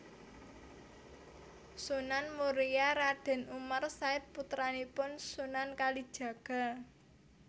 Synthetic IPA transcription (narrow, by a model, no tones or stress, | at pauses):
sunanmuɾijaɾaɖ̪̥ɛ̤numarsaɪt̪̚put̪ɾanipʊnsunankalid̥ʒ̥ä̤ɡ̥a̤